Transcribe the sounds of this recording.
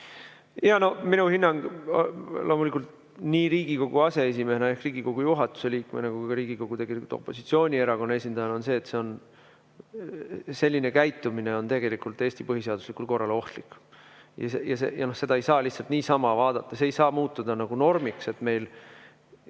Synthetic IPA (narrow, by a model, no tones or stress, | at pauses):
jɑno̞hminuhinːɑŋɡ̥ | lʔo̞ːmulikːˑult̪ | niːɾiːɡ̥iko̞ɡ̥uɑse̞es̬ime̞senɑe̞hkriːɡ̥iko̞ɡ̥ujuɦɑt̪ːˑu̥se̞liːkmenekuɡɡɑɾiːɡ̥iko̞ɡ̥ut̪e̞ɡelikult̪o̞̰pːˑo̞̰sit̪sio̞ːnʲie̞ɾɑkonːɑe̞s̬ʲind̪̥ɑjɑno̞nse̞ːt̪se̞o̞n | se̞lʲːine̞kæjt̪ːˑumine̞o̞nt̪e̞ɡ̥e̞likult̪ːˑe̞ːst̪ipɤɦise̞ɑd̪uslikˑult̪korːɑlo̞ht̪likːˑ | jɑ̰sejɑsejɑno̞hse̞d̪̥ɑejsɑːliht̪sɑlt̪niːsɑmɑvɑːd̪̥ɑt̪ˑːɑseːjsɑːmuːt̪ːud̪̥ɑnɑɡ̥uno̞rmikse̞t̪me̞jl